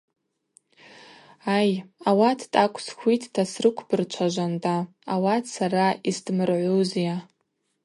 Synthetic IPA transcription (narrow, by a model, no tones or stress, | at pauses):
ajawatʰtʼakʷʰʼsχʷitʰʼːasrɨkʷʰbɨrt͡ʃʷʰaʒʷandʼaː | watʰsaraisdmɨrʕʷuzija